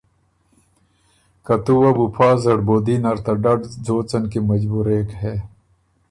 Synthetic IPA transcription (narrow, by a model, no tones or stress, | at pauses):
kɐt̪uwɐbupʰaːzɐɖboːd̪iːnɐɾt̪ɐɖɐɖd͡zoːt͡sɐnkemɐd͡ʑbuːɾeːkɦeː